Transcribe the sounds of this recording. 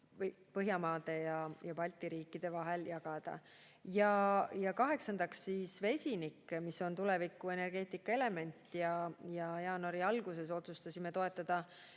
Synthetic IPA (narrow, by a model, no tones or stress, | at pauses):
vj | pɤɦjɑmɑːd̪e̞jɑjɑpɑlʲt̪ːˑiɾiːkːˑid̪̥e̞vɑɦe̞ljɑɡ̥ɑd̪̥ɑ̰ | jɑjɑkɑɦe̞ksɑnd̪̥ɑksːiːsve̞sʲinikːmiso̞nt̪ule̞vikːˑue̞ne̞rɡ̥e̞ːt̪ːˑikːˑɑe̞le̞me̞nʲt̪ːˑjɑjɑjɑːnɑɾiɑlɡ̥us̬e̞s̬o̞t̪sust̪ɑsʲime̞t̪o̞e̞t̪ːˑɑd̪̥ɑ